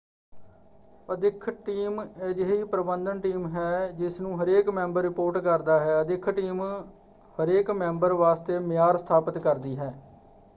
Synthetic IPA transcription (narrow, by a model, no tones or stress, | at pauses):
əd̪ɪkʰʈiːmeːd͡ʒɪɦiːpɾəbənd̪ənʈiːmɦɛːd͡ʒɪsnũːɦəɾeːkmɛ̃ːmbəɾːɪpoːɾʈkəɾd̪aːɦɛːəd̪ɪkʰʈiːm | həɾeːkmɛ̃ːmbəɾʋaːst̪eːmɪjaːɾst̪ʰaːpət̪kəɾd̪iːɦɛː